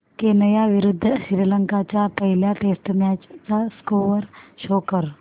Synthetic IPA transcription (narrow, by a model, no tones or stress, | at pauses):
kenɐjaʋɪɾʊd̪ʱːʃɪɾiləŋkat͡ʃapɐɦɪljaʈeːsʈmɛːt͡ʃt͡saskoːʋəɾʃoːkəɾ